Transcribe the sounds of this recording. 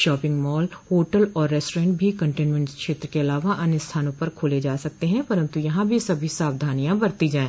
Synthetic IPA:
ʃɔːpɪ̃ŋɡmɔːlhoːʈəlɔːɾːɛːsʈːɾẽːɳʈ̚bʱikɐ̃ɳʈẽːnmə̃ɳskʃeːt̪ɾəkeɐlaːʋaʔɐnɪst̪ʰaːnõpɐɾkʰoːled͡ʒaːsɐk̚t̪eɦɛ̃pɐɾə̃nt̪ujɐɦãbʱisɐbʱisaːbd̪ʱaːnijãbɐɾt̪id͡ʒaːẽː

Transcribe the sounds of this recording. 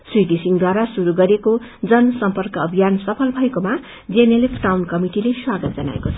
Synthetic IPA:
swiɡisiŋd̪waɾasuɾuɡʌɾeko | d͡zʌnsʌmpʌrkʌʌbʱijansʌpʰʌlbʱʌekoma | d͡zenelepʰʈawnkʌmiʈileswaɡʌt̪̚d͡zʌna̰ḛkot͡sʰʌ

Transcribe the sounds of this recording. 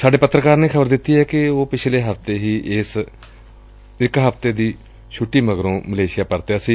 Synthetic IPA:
saːɖeːpət̪ːɾəkaːɾnẽːkʰəbəɾd̪ɪt̪ːiːɦɛːkɪoːpɪt͡ʃʰleːɦəft̪eːɦiːʔɪs | ɪkɦəpt̪eːd̪iː | t͡ʃʰʊʈːiːməɡɾõːməleːʃɪjaːpəɾt̪eːəsiː

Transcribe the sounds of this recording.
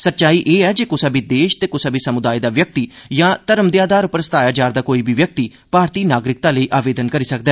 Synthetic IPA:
sət̪ːt͡ʃaːiːʔeːɛːd͡ʒeːkʊsaːbiːd̪eːʃt̪eːkʊsabiːsəmʊd̪aːid̪aːʋjək̚t̪iːjãːt̪əɾəmd̪eaːd̪aːɾʊpəɾst̪aːjaːd͡ʒaːɾd̪aːkoːiːbiːʋjək̚t̪iː | paːɾt̪iːnaːɡɾɪk̚t̪ãːləiːʔaːʋeːd̪ənkəɾiːsək̚d̪ɛː

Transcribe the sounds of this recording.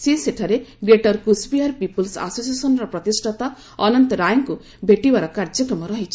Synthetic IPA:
seseʈʰaɾeɡɾeʈɔɾkusbiaɾpipulsa̰sosiesɔnɔɾɔpɾɔt̪isʈʰat̪a | ɔnɔnt̪ɔɾajɔŋku | bʱeʈibaɾɔkaɾd͡ʒɔkɾɔmɔɾɔɦit͡ʃʰi̥

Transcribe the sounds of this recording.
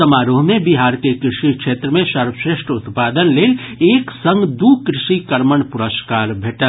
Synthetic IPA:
əmaːɾoːɦmẽbiɦaːɾkekɾɪʃikʃeːt̪ɾəmẽʃəɾbəʃɾeʃʈʰʊt̪paːd̪ənleːleːksə̃ŋɡd̪uːkɾɪʃikəɾməɳpʊɾəskaːɾbʱeːʈə

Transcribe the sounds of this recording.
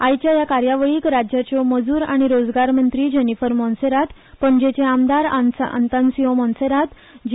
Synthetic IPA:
ajt͡ɕjajakaɾjaʋəɭiːkɾad͡ʑjat͡ɕɔməd͡zuːɾaɽ̃iɾod͡zɡaɾmənt̪ɾiːd͡ʑənifəɾmɔ̃nseɾat̪ | pəɳd͡ʑet͡ɕeamd̪aɾa̰nsa̰nt̪ansiɦɔmɔ̃nseɾat̪ | d͡ʑ

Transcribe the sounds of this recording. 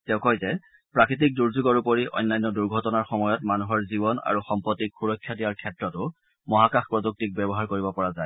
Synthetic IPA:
tɛʊ̃kɔjzɛ | pɹakɹit̬ik̚duɹzuɡɔɹupoɹiʔɔ̰jnːajnːɔduɹɡʱɔtɔnaɹxɔmɔjɔtmanuɦɔɹzibɔna̰ɹuxɔmpɹɔtːikxuɹɔkʰːjadiaɹkʰɛtɹɔtʊ | mɔɦakaxpɹɔduk̚tik̚bɛbɔɦaɹkoɹibɔpɔɹazaj

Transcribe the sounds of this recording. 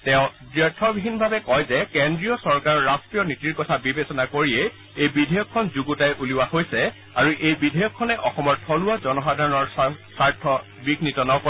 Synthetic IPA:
tɛ̃ʊ̃dɹɛtʰːɔbʱibʱinbʱabɛkɔjzɛkendɹijɔsɔɹkaɹɔɹastɹijɔnitiɹkɔtʰabibesɔnakoɹiɛ | ejbidʱejɔkʰːɔnzuɡutajʔuliwahojsɛ | aɹuʔejbidʱɔjɔkʰːɔnɛʔɔxɔmɔɹtʰɔlʊazɔnɔxadʱaɹɔnɔɹsaɹtʰɔ | biɡnitɔnɔkɔ

